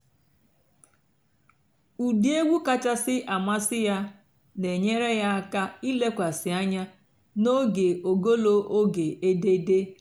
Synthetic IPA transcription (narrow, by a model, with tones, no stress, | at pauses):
u˨di˨˦e˦ɡʷu˦ka˦t͡ʃa˦sɪ˦ʔa˨ma˦sɪ˦ja˦ | ne˨ɲe˦ɾe˦ja˦a˦ka˦i˦le˦kʷa˨sɪ˨a˦ɲa˦ | no˦ɡe˨ʔo˨ɡo˦lo˦ʔo˦ɡe˨e˦de˦de˦